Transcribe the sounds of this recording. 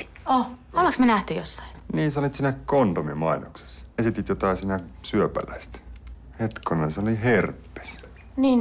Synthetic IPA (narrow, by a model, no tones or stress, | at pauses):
oolɑksmenæht̪yjosːɑ̥iniːsɑnit̪siːnækkont̪omimɑinokse̥sːesit̪it̪jot̪ɑˑisiːnæsyøpæ̰læ̰ist̪ | het̪konɑseoliherpːe̥s | niːn